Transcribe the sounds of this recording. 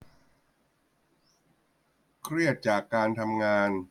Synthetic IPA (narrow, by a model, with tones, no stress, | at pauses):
kʰɾi˥˩ət̪̚t͡ɕaː˨˩kːaː˧nt̪ʰa˧mŋaː˧n